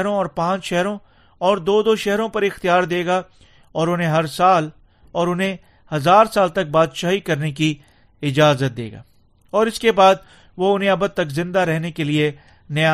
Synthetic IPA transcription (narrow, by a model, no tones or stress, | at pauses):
ɾõɔːɾpãːt͡ʃʃɛɦɾõ | ɔːɾd̪oːd̪oːʃɛɦɾõpɐɾɪxt̪ijaːɾd̪eːɡa | ɔːɾʊnɦẽɦɐɾsaːl | ɔːɾʊnɦẽ | hɐzaːɾsaːlt̪ɐk̚baːd̪ʃaːɦikɐɾneki | ɪd͡ʒaːzət̪̚d̪ḛːɡa̰ː | ɔːɾɪskebaːd̪̚ | ʋoʊnɦẽɐbəd̪̚t̪ɐkzɪ̃nd̪aɾɛɦnekelie | nɐja